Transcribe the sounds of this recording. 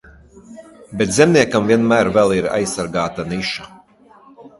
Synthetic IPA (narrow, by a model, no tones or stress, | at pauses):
bɛt̪zʲɛmnʲiɛkamviɛnmæːɾvɛlˠiɾa̰jsːaɾɡaːt̪aniʃa